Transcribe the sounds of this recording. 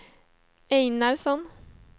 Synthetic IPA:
eɪnɑɾsɔn

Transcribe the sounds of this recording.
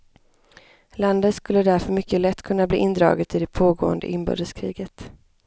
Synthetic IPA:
land̪ət̪skɵlːəd̪æɾfœɾmʏkːəlɛt̪ːkʰɵnːablḭːʔɪnd̪ɾɑ̰ːɡət̪ɪd̪ɛpʰoːɡo̰ːə̰nd̪ə̰ʔɪnbœ̰ːd̪əskʰɾḭːɡət̪

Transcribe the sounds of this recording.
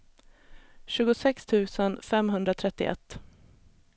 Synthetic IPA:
ɕʉ̟ːɡʊsɛkst̪ʰʉ̟ːsənfɛmɦɵnd̪ɾat̪ʰɾɛt̪ːɪ̰ʔɛ̰t̪ː

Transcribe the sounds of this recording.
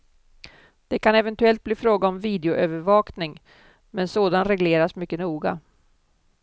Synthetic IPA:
d̪̥ɛkʰanɛvɛnt̪ɵɛlt̪̚bliːfɾoːɡaɔmviːd̪ɛʊʔøːvəɾvɑːknɪŋ | mɛnsoːd̪anɾɛɡleːɾasmʏkːənuːɡa̰

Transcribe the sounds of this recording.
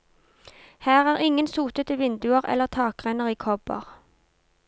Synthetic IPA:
hæːʁæːʁɪŋənsuːt̪ət̪əʋɪnd̪ʉəʁɛ̰lːəʁt̪ʰɑːkʁɛnəʁiːkʰɔbə̰ʁ

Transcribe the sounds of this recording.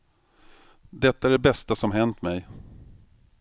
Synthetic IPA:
d̪ɛt̪ːaæɖɛbɛst̪asɔmɦɛnt̪mɛj

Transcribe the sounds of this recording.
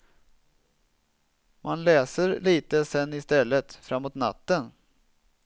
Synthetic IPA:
mʔanlɛːsəɾliːt̪əsɛnːɪst̪ɛlːət̪fɾamːoːt̪na̰t̪ːən

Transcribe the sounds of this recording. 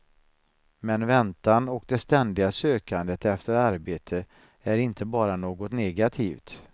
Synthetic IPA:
mɛnvɛnt̪anɔkd̪ɛst̪ɛnd̪ɪɡasøːkand̪ət̪ɛft̪əɾaɾbeːt̪ʰə | æɾɪnt̪ʰəbɑːɾanoːɡɔt̪nɛɡat̪ʰiːft̪

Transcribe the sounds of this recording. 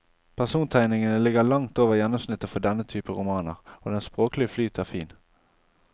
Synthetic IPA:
pʰæʁsuːnt̪ʰæɪnɪŋənəlɪɡəlɑŋt̪oːʋəʁjɛnːʊmsnɪt̪ːəfɔd̪ɛnːət̪ʰyːpəʁʊmɑːnə̰ʁoːd̪ɛnspʁoːklɪəflyːt̪ʰæʁfiːn

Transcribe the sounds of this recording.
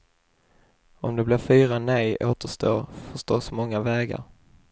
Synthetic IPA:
ɔmd̪ɛblɪɾfyːɾanɛjʔoːt̪əʂt̪oːfœʂt̪oːsmɔŋːavɛːɡa̰ɾ

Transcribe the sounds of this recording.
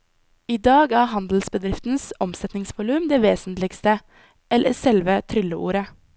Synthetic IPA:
iːd̪ɑːɡæːhɑnd̪l̩sbəd̪ɾɪft̪n̩sɔmsɛt̪nɪŋsʋʊlʉmd̪eːʋeːsn̩t̪lɪɡst̪ə | ʔɛlʔə̰sɛlʋət̪ʰɾʏləʔṵːɾə

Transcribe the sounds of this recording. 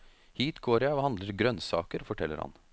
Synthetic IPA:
hiːt̪ɡoːɾjæɪɔhɑnd̪ləɾɡɾœnsɑ̰ːkəɾfɔʈʰɛlːə̰ɾhɑ̰n

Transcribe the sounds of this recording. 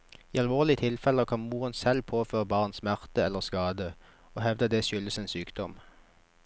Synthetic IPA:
iːɑlʋoːʁlɪət̪ʰɪlfɛləkʰɑnmuːʁənsɛlpʰoːføːʁəbɑʁnsmæʁt̪əɛlːəʁskɑːd̪ə | oːhɛʋd̪əd̪ɛːʃʏləsɛnsyːkd̪ɔm

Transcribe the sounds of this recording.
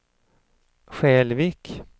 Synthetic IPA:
ɧɛːlviːk

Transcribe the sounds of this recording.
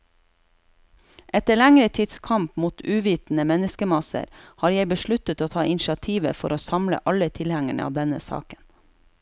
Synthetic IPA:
ʔɛt̪əɭæŋɾət̪ʰɪd̪skʰɑmpmuːt̪ʉːʋiːt̪n̩əmɛnəskəmɑsə̰ɾhɑːɾjeɪbəʃɭʉt̪ət̪oːt̪ʰɑːʔɪnʃɪɑt̪ʰiːʋə̰fɔɾoːsɑmlə̰ʔɑlət̪ʰɪlhæŋæɳə̰ɑ̰ːʋd̪ɛnə̰sɑ̰ːkən

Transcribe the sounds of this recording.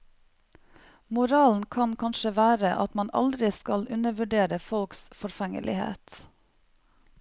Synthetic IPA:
mʊɾɑːln̩kʰɑnkʰɑnʃəʋæːɾəʔɑ̰t̪mɑnʔɑ̰ld̪ɾɪskɑlʉnəʋʉɖeːɾəfɔlksfɔɾfɛŋə̰lʔɪ̰hḛːt̪

